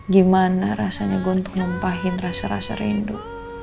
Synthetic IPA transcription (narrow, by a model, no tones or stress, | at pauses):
ɡimanaɾasaɲaɡɔnt̪ʊ̥kləmpaɦɪnrasaɾa̰sa̰ɾḭnduʔ